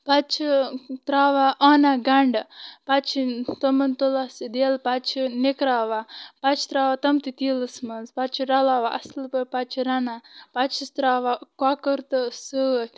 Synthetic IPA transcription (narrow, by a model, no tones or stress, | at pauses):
pɐt͡ʃʰit̪ɾaːʋaʔɔːnaɡɐɳɖpɐt͡ʃʰit̪ɐmɐnt̪olasid̪eːlpɐt͡ʃʰinekɾaːʋapɐt͡ʃʰt̪ɾaːʋat̪ɐmt̪it̪iːlɨsmɐzpɐt͡ʃʰiɾɐlaːʋaʔɐ̰slpɐpat͡ʃʰiɾɐnapat͡ʃʰist̪ɾaːʋakaːkəɾt̪ɨsɨ